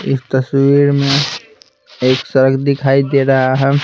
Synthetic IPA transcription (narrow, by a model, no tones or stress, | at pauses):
ɪ̰st̪əswiɾmẽ | eːksəɾəɡd̪ɪkʰaid̪eɾaɦaɦɛ